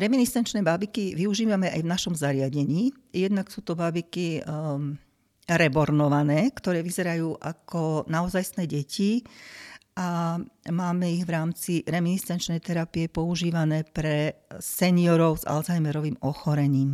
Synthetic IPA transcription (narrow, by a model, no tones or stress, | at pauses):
ɾɛminist̪ɛnt͡ʃnɛːbabikiʋiuʒiːʋamɛʔa̰jʋnaʃɔmzaɾɪaɟɛɲiː | jɛd̪naksuːt̪ɔbabiki | ɾɛbɔɾnɔʋanɛːkt̪ɔɾɛːʋizɛɾajuːʔakʰɔnaɔzajsnɛːɟɛci | ʔamaːmɛiɣʋɾaːmt͡siɾɛminist̪ɛnt͡ʃnɛjt̪ɛɾapijɛpɔuʒiːʋanɛːpɾɛsɛniɔɾɔʊza̰lzajmɛɾɔʋiːmɔxɔɾɛɲiːm